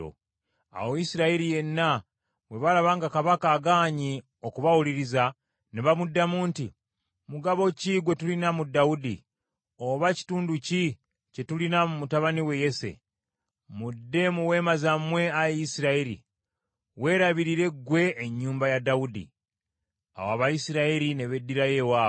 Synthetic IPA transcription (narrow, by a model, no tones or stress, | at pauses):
o̰ | a̰woisiɾaiɾije̞nːa | we̞βalaβaːŋɡakaβakaːɡaːɲi | o̞kuβawuliɾiza | neβamudːamuːnti | muɡaβo̞ciɡwe̞tulinamudːaudḭ | oβaci̥tuːnduci | ce̞tulinamumutaβaniwe̞je̞se̞̰ | mudːe̞muwe̞ːmazamwe̞ajisiɾaeɾḭ | we̞ːɾaβiɾiɾe̞ɡwe̞ːɲːuːmbajadaudḭ | a̰waβajisiɾaeɾine̞βe̞dːiɾaje̞waːo